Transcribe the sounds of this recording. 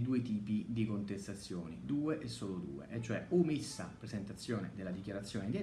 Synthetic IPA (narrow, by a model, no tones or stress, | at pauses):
d̪uːet̪iːpid̪ikont̪est̪at̪sːjoːnḭd̪uːeʔesːoːlod̪ṵːḛʔɛt͡ʃːoɛumisːa̰pɾezent̪at̪sːjoːned̪elːad̪ikjaɾat̪sːjoːned̪e